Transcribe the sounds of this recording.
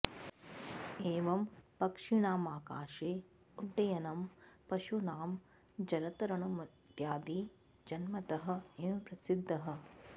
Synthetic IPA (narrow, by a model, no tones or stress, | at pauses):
eːʋɐmpɐkʂiɳaːmaːka̰ːʃeː | uɖːɐjɐnɐmpɐʃunaːm | d͡ʒɐɾɐt̪ɐɾɐɳɐmɐd̪jaːd̪iː | d͡ʒɐnmɐt̪ɐɦɐ̆enupɾɐsid̪ʱːɐɦɐ̆